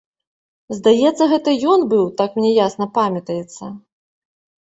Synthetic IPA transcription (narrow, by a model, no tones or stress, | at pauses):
zd̪ajɛt̪sːɐɣɛt̪ɐjɔnbɨwt̪akmnʲɛjasnɐpamʲɐt̪ɐjɛt̪sːɐ